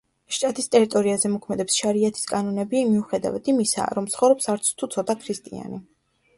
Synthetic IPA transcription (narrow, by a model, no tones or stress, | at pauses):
ʃt̪ʼat̪ʼist̪ʼɛɾit̪ʼɔɾiazɛmɔkʰmɛd̪ɛpsʃaɾiat̪ʰi̥skʼanɔnɛbimiuχɛd̪a̰vat̪ʰimisa̰ɾɔmt̪sʰχɔvɾɔpsaɾt̪sʰt̪ʰut̪sʰɔt̪ʼakʰɾist̪ʼḭa̰ni